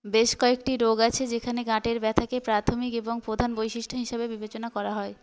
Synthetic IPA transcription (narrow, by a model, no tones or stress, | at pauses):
beʃkɔekʈiɾoɡat͡ɕʰed͡ʑekʰaneɡãʈeɾbɛt̪ʰakepɾat̪ʰomikeboŋpɾod̪ʱanbojʃiʃʈʰoɦiʃabebibet͡ɕonakɔɾaɦɔe